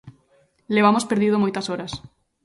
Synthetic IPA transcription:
leβamʊspeɾðið̞omojt̪ɐsoɾɐs

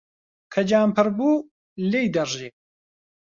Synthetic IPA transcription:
kʰɐd͡ʒaːmpɨɾbuː | lejd̪ɐʒiː

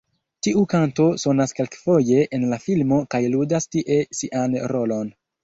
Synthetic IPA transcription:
tiʔukanto̞so̞naske̞lkfo̞je̞ʔenlafilmo̞kajludastiʔe̞siʔanɾo̞lo̞n

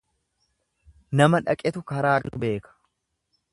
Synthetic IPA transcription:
nɐmɐᶑɐkʼɛt̪ʊkɐɾaːɾʊbe̞ːkɐ̥

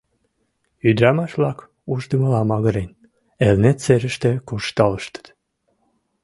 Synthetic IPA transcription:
yd̪ɾɑmɑʃβlɑk | uʒd̪əməlɑmɑɣəɾen | elnet̪t͡seɾəʃt̪ekurʃt̪ɑləʃt̪ə̥t̪

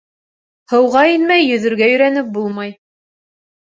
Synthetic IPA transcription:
hɤ̆wʁɑinmæjːɵ̆ðɵ̆ɾɡæjɵ̆ɾænɘp̚bulˠmɑj

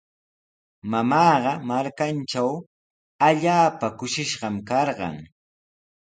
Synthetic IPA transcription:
mamɑːɢɑmaɾkant͡ʃaw | aʎaːpakʊʃɪʃɢɑmkɑɾɢɑ̰ŋ

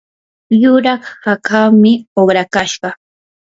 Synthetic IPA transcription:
jʊɾɑχhakʰawmɪoχɾakaʃɢɑ

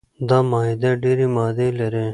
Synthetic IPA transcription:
d̪aːmaːɦid̪eɖeːɾimaːd̪elɐɾe

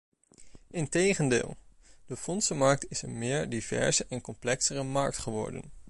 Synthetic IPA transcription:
ɪntejχəndɪ̰ːlˠ | d̥əfɔnsəmɑɹk̚tɪsənmɪːɹdivɛ̰ɹzəʔɛnkɔmplɛksərəmɑ̰ɹk̚tχəʋɔ̰ɹdə̰n

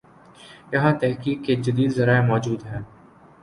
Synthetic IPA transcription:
jɐɦãːt̪ɛɦkiːkːed͡ʒɐd̪iːd̪zɐɾaːemɔːd͡ʒuːd̪ɦɛ̃ː

